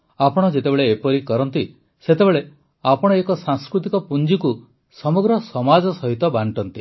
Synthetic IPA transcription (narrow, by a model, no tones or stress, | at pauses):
apɔɽ̃ɔd͡ʒet̪ebeɭeːpɔɾikɔɾɔnt̪i | set̪ebeɭe | apɔɽ̃ɔekɔsaŋskɾut̪ikɔpund͡ʒiku | sɔmɔɡɾɔsɔmad͡ʒɔsɔɦit̪ɔbaɳʈɔnt̪i